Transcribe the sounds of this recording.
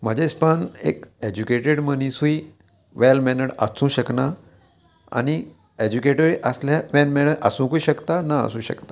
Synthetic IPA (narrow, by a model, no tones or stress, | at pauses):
m̤əd͡ʑespanḛked͡ʑukeʈeɽmənĩsui | ʋelmɛnəɽə̰sũːɕəkna | a̰ñi | ed͡ʑukeʈəɾiʔəsljaʋɛlmɛnəɽʔəsũːkuiɕəkt̪anaə̰sũːɕə̰kt̪ḁ